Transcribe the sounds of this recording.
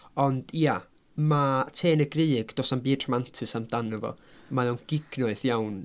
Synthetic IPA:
ɔnd̥ija | matʰeːnəɡrejɡd̥oːsambiːdrɔmantʰɨsamd̥anəvɔ̰majawnɡ̥ɪɡ̥nɔɨθjawn

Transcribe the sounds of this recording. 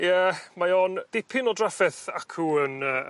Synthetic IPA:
jɛmajɔnd̥ɪpʰɪnɔdrafɛθakʰuənə

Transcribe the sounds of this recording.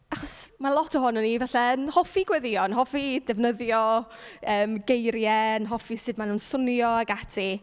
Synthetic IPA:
aχɔsmalˠɔtʰəɦʊnɔnivɛɬɛənhɔfiɡwɛðiɔnɦɔfidɛvnəðjɔəːmɡejɾjɛnɦɔfisɨdmanuːnsʊnjɔaɡatʰi

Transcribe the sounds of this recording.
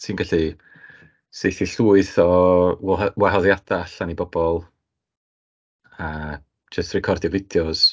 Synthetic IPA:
tʰiːnɡaɬi | sejθiɬuːɨθɔ | waɦɔðjad̥aaɬanibɔb̥ɔlˠ | ḁ | d͡ʒəstrɛkʰɔrdjɔvɪdjɔz̥

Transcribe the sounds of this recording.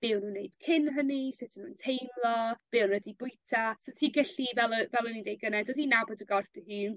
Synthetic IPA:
b̥ɪːwnuːnːejd̥kʰɪnɦənisɪtʰɪnuːntʰejmlˠɔb̥ɪwnɛdibʊjtʰasotʰiːɡɛɬivɛlˠvɛlˠənindejɡənɛdɔdinabɔdəɡɔrfd̥əhiːn

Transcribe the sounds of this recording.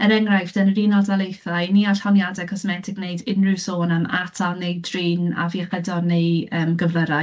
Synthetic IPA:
əɾɛŋrajfd̥ənriːnɔdalˠejθajniaɬhɔnjadɛkʰɔsmɛtʰɪɡnejdɪnrɪwsoːnamatʰalˠnejdriːna̰viaχədɔnejəːmɡəvlˠəɾa

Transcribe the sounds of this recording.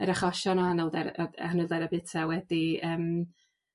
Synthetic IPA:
əɾaχɔʃɔnɔhanɛlˠdɛɾɔhanɛlˠdɛɾabɪtʰawɛdiəːm

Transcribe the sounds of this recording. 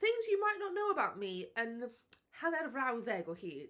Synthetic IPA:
θɪ̃ŋzjumajʔnɔʔnowəbawʔmiən | hanɛrvrawðɛɡɔhiː

